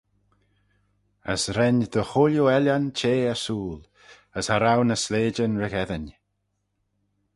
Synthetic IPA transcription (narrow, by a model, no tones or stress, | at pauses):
ə̰sɾɛnd̪əxʊljuɛlʲant͡ʃʰeːəsuːl | əshaɾawnəsleːd͡ʒənɹɪɣɛðən